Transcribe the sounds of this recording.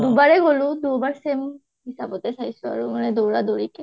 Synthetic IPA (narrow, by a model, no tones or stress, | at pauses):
d̪ubaɾeɡolud̪ubaɾsem | ɦisabɔt̪esʰajsɔa̰ɾumaned̪owɾad̪oɾike